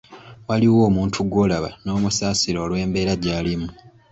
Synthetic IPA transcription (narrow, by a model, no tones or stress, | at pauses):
waliwo̞ːmuːntʰuɡo̞ːlaβa̰no̞ːmusaːsiɾo̞ːlwe̞ːmbe̞ːɾaɟaːlimu